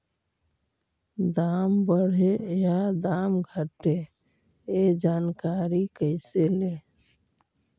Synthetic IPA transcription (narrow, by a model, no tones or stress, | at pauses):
d̪ambəɽ̤ead̪amɡʱəʈe | ed͡ʒankaɾikəɪsele